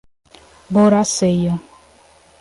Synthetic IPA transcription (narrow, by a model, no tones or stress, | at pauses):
boɾasejɔ